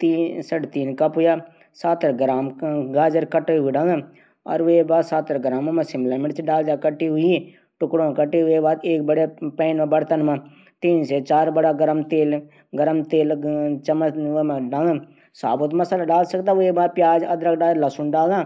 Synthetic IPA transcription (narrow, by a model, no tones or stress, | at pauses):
t̪iːsəʈt̪iːnkəpɦʊjaː | saːt̪ɾɡɾaːmɡaːd͡ʒəɾkəʈːɦʊiɖãːŋãː | ɔ̰ːɾʋeːbaːd̪saːt̪əɾɡɾaːmːãːmə̃sɪmblaːmɪʈt͡ʃɖaːld͡ʒaːkəʈːiːɦʊi | ʈʊkɽõːkəʈiːɦʊeːbaːd̪eːk̚bəɽeːpɛːnmãːbəɽt̪ənmãː | t̪iːnseːt͡ʃaːɾbəɽaːɡəɾəmt̪eːl | ɡəɾəmt̪eːlt͡ʃəməmãɖãː | saːbʊt̪məslaːɖaːlsəkd̪aːʋeːbaːd̪̚pɪjaːd͡ʒəd̪ɾək̚ɖaːlləsʊnɖaːld̪ãː